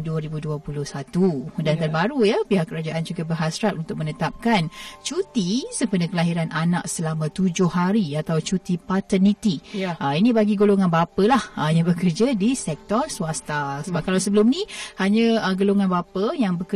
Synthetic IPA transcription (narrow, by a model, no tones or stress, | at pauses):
duəɾibuduəpulʊhsat̪udant̪ənbaɾujapiɦaʔkːəɾad͡ʒaʔand͡ʒuɡabərɦasɾat̪unt̪ʊk̚mənət̪ap̚kant͡ʃut̪isəmpənəkəlaɦiɾanʔana̰k̚səlamãt̪ud͡ʒʊhaɾiat̪awt͡ʃut̪ipat̪ənit̪iʔəinĩbaɡiɡoloŋanbapəlahəjaŋbəkərd͡ʒadisɛk̚t̪ɔrsuast̪asəbap̚kalawsəbəlʊmnihaɲə̃əɡoloŋanbapəjaŋbəkə